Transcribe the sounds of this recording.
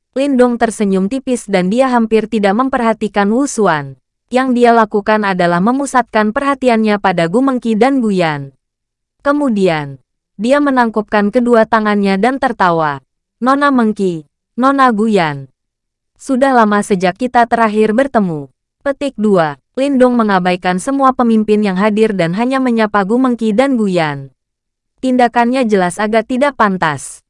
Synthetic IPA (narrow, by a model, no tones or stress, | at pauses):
lindʊŋt̪ərsəɲʊmt̪ipɪsdandiaɦampɪrt̪idak̚məmpərɦat̪ikanwusuan | jaŋdialakukanadalahməmusat̪̚kanpərɦat̪ianɲapadaɡuməŋkidanɡujan | kəmudian | diamənaŋkup̚kankəduat̪aŋanɲadant̪ərt̪awa | nonaməŋki | nonaɡujan | sudahlamasəd͡ʒakːit̪at̪əɾaɦɪrbərt̪əmu | pət̪ɪk̚dua | lindʊŋməŋabajkansəmuapəmimpɪnjaŋɦadɪrdanɦaɲaməɲapaɡuməŋkidanɡujan | t̪indakanɲad͡ʒəlasaɡart̪idaʔpant̪as